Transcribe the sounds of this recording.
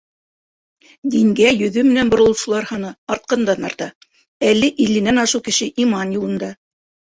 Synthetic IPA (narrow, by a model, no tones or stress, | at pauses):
d̪iŋɡæjɵ̆ðɵmɘ̆nænbŏɾɤ̆lˠɤʃŭlˠɑɾhɑnɤɑɾt̪̚qɑnd̪ɑnɑ̰ɾt̪ɑ | ælːɘʔilɘ̆nænɑʃɤwkɘ̆ʃɘʔimɑnjulˠɤ̆nd̪ɑ